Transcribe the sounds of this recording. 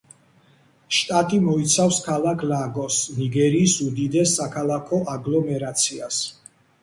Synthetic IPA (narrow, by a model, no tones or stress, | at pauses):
ʃt̪ʼat̪ʼimɔit̪sʰafskʰalˠakʰlaɡɔsniɡɛɾiːsud̪id̪ɛsːakʰalˠakʰɔʔaɡlˠɔmɛɾat̪sʰias